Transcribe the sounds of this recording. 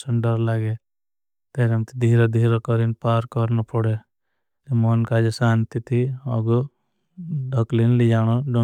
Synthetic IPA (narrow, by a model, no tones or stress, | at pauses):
səɳɖɔɾlaːɡe | t̪eɾemt̪id̪ʱiːɾɔd̪ʱiːɾɔkɔɾinpaːɾkɔɾnɔpʰɔɽe | t̪imɔnkad͡ʒesaːnt̪it̪ʰiɔɡu | ɖɔklinlid͡ʒaːɽ̃oɖɔ